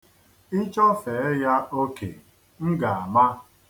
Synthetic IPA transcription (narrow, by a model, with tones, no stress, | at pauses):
i˦t͡ʃɔ˦fe˨˦ja˦o˦kḛ˨ | ŋ̩˦ɡa˨a˨ma˦